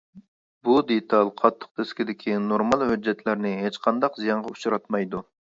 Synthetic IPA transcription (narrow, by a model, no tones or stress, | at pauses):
bud̪et̪ʰɑlˠqʰɑt̪ʰːə̥q̚d̪ʰɪskʲɪd̪ɪkʲʰinoɾmɑlˠhød͡ʒːɛt̪ʰlæɾnɪɦet͡ʃqʰɑnd̪ɑqzijɑɴʁɑu̥t͡ʃʰuɾɑt̪mɑjd̪u